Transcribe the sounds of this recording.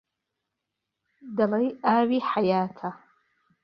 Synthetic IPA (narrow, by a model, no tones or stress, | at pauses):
dalajaɥiħajaːtʰa